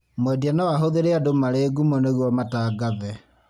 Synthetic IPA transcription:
mwɛdianawaɦoðeɾeadomaɾeɡumɔneɣwɔmataːɡaðɛ

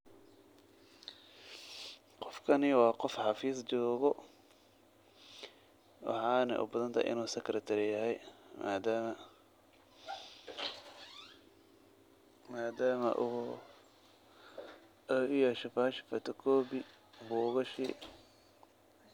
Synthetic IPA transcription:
qɔfkʰɐnɪwɑːqɔfħɑfiːst͡ʃɔːɣɔ | wɑ̰ħɑːnɐ̰ʔʊ̰bɐðɐnt̪ʰɐ̰ʔɪ̰nuːsɐkʰɾɐt̪ʰɐɾɪjɐɦɛjmad̪ | maːd̪aːmɐ̰ʔ | ʊjɛʃɐfaʃɪ̥fɐt̪ʰɔkʰɔːbɪ | buːɣɐʃḭ

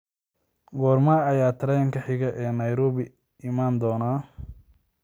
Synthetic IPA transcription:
ɡɔːrmaːɐjaːt̪ʰɐɾɛjɐŋkʰɐħɪɣɐʔɛːnɐjɾɔːβɪ | ʔɪmaːnd̪ɔːnaː

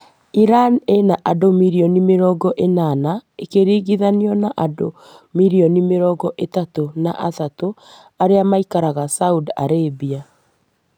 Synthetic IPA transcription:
iɾanenaʔadomiɾiɔnimeɾɔːɡɔʔenanaekeɾiːɣiðaneɔnaʔado | miɾiɔnimeɾɔːɡɔʔetatonaʔatato | aɾeamaikaɾaɣasauda̰ɾebia

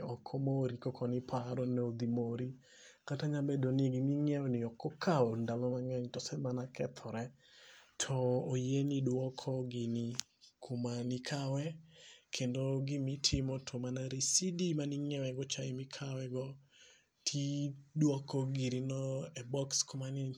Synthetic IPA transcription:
ɔkʰɔmoɾikɔkʰɔnɪpʰaɾɔnood̪imoɾi | kataɲabedonɪeɡimiŋɛwɔnɪɔkɔkʰaɔndalɔmaŋɛɲtɔsɛmanakʰɛ̰t̪ʰɔɾɛ | tʰɔːjenidwɔkʰɔɡɪni | kʰumanɪkʰawɛkʰendoɡɪmɪtʰɪmɔtʰomanaɾisidimanɪŋɛwɛɡɔt͡ʃaɪmɪkʰawɛɡɔ | tʰidwɔkɔɡiɾinɔɛbɔkskʊmani

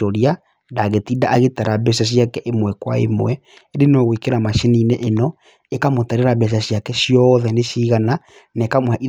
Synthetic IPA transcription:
oɾia | ndaɣetiːdaʔaɣetaɾabɛʃaʃ̬jakɛʔemwɛkwaḛmwɛ | eɾenɔɣwikeɾamaʃenineʔenɔ | ekamotaɾeɾaβɛʃ̬aɕjakɛʃijɔðɛneʃiːɣana | nekamwaʔi

